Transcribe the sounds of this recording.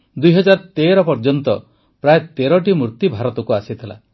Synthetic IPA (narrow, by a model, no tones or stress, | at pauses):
d̪ujɦɔd͡ʒaɾt̪eɾɔpɔɾd͡ʒɔnt̪ɔ | pɾaet̪eɾɔʈ̬imuɾt̪ibʱaɾɔt̪ɔkuasit̪ʰila̰